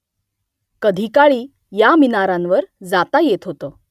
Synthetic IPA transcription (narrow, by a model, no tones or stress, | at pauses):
kəd̪ʱikaɭiː | jaminaɾãnʋəɾd͡zat̪ajet̪ɦot̪ə